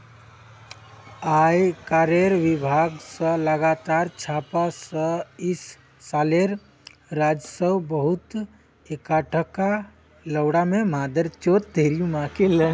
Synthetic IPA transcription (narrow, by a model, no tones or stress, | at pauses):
aːjkaɾeɾʋɪbʱaːɡsələɡat̪aːɾt͡ʃʰaːpasəɪsː | aːleɾ | ɾaːd͡ʒsəwbəɦʊt̪ | ekaʈʰəka | ləwɽamẽmaːd̪əɾt͡ʃoːt̪d̪eːɾjũmãkelə